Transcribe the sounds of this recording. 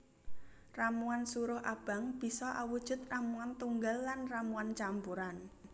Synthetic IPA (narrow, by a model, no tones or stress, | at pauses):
ramuansuɾʊhʔab̥a̤ŋb̥i̤sɔʔawud̥ʒ̥ʊ̤t̪̚ramuant̪uŋɡalːanramuant͡ʃampuɾan